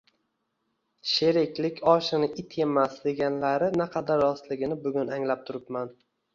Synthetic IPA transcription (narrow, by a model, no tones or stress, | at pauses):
ʃeɾɪkʲʰlɪkʲʰɒʃɪnɪʔɪt̪ʰe̞masd̪e̞ɡʲanlaɾɪnaqʰɑd̪aɾːɒst̪lɪɡʲɪnɪbʊɡʲʊnaŋlap̚t̪ʰʊɾɪpman